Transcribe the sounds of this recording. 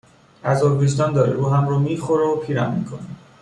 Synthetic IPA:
æzoɾbizd̪ɒnd̪ɒːɾḭɾuːɦæmɾɔːmiːxoɾopʰiːɾæmmːiːkʰoni

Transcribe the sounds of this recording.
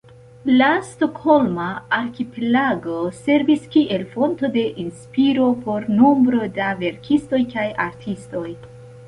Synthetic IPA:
lasto̞kho̞lmaːɾkipelaɡo̞se̞ɾviskiʔe̞lfo̞nto̞de̞ʔinspiɾo̞po̞ɾnombɾo̞dave̞ɾkʰisto̞jkajaɾtʰisto̞j

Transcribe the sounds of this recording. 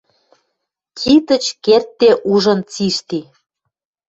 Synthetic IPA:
kʰit̪ə̆t͡ɕkert̪ːeʔuʒə̆nt͡siʃt̪i

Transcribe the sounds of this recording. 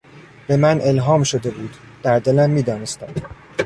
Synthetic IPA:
b̥e̞mænʔe̞lɦɒːmʃod̪e̞buːd̪̥ | d̪̥æɾd̪e̞læmːiːd̪ɒːnest̪æm

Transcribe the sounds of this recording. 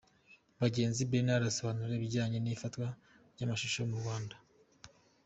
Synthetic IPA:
βaɟe̞ːnzibenaɾaso̞βanuɾeβiɟaːɲe̞nifatkwa | ɾɟamaʃuʃomuɾɡwaːnda

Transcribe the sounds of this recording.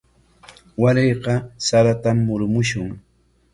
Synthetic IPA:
waɾejqɑsaɾat̪amːʊɾmʊʃʊŋ

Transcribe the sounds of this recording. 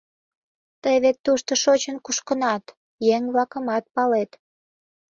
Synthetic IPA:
t̪əjβet̪ːuʃt̪oʃot͡ɕənkuʃkənɑt̪ | jeŋβlɑkəmɑt̪̚pɑlet̪

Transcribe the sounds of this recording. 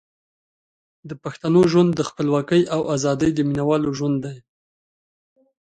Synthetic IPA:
d̪əpaxt̪anoʒwand̪ːəxpəlwɑkəjʔawazɑd̪əjd̪əminawɑloʒwand̪ːaj

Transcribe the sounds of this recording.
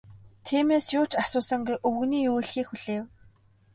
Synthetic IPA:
t̪ʰiːmeːsjʊːt͡ɕasʊːsə̆ŋɡujʔɵwɣ̆niːjuːjɮxiːxuɮ̥eːw

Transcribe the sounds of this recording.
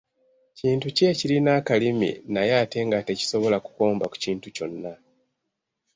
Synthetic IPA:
ciːntuce̞ːcilinakalimḭnajaːte̞ŋɡate̞ci̥so̞βo̞laku̥ko̞ːmbaku̥ciːntuco̞nːa

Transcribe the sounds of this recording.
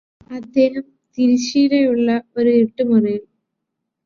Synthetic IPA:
ɐd̪ʱːe̞ːɦɐm | t̪iɾiɕiːɾɐjuɭːɐo̞ɾueʈːumurɐjil

